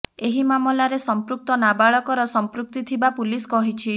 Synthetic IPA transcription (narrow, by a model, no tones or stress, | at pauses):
eɦimamɔlaɾesɔmpɾuk̚t̪ɔnabaɭɔkɔɾɔsɔmpɾuk̚t̪it̪ʰibapuliskɔɦit͡ʃʰi